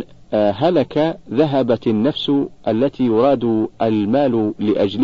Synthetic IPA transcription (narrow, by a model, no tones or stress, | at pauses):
ɦalakaðaɦabanːafsʔalːat̪iːjʊɾˤɑːd̪ʔalmaːllɪʔad͡ʒl